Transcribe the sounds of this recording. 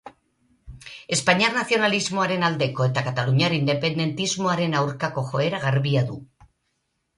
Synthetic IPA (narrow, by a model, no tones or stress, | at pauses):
e̞spaɲaɾnaθio̞nalizmo̞aɾe̞nald̪e̞ko̞e̞t̪akat̪aluɲaɾind̪e̞pe̞nd̪e̞nt̪izmo̞aɾe̞nawɾkako̞xo̞e̞ɾaɣaɾβiaðu